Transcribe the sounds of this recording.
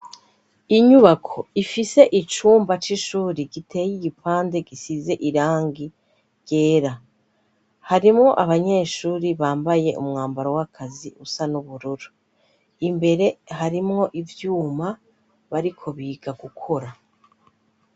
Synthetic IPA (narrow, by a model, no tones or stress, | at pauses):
iɲuβakʰo̞ifise̞ʔit͡ʃuːmbat͡ʃiʃuːɾiɡitʰe̞ːjiɡipʰaːnde̞ɡisize̞ʔiɾaːŋɡi | ɟ̥e̞ːɾa | haɾimŋo̞ʔaβaɲe̞ːʃuːɾiβaːmbaje̞ʔṵmŋaːmbaɾowakʰaziʔusanuβuɾuɾu | imbe̞ɾe̞haɾimŋo̞ʔivjuːma | βaɾikʰo̞βiːɡ̥aɡukʰo̞ɾa